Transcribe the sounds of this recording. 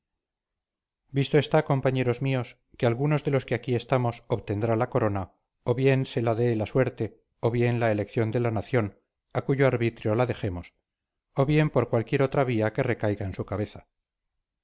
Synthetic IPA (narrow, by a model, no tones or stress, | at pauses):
bist̪oe̞st̪ako̞mpaɲe̞ɾo̞zmio̞s | kealɣuno̞zðe̞lo̞ske̞akie̞st̪amo̞soβt̪e̞nd̪ɾalako̞ɾo̞na | o̞βje̞nse̞laðe̞laswe̞ɾt̪e̞ | o̞βje̞nlaele̞kθjo̞nd̪e̞lanaθjo̞n | akuʝo̞aɾβit̪ɾjo̞laðe̞xe̞mo̞s | oβje̞mpo̞ɾkwalkje̞ɾo̞t̪ɾaβ̞iake̞re̞kajɣaensukaβe̞θḁ